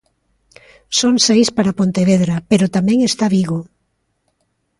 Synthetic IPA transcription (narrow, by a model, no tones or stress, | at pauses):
soŋsejspaɾapont̪eβ̞eðɾapeɾot̪amɛ̃ŋest̪aβiɣo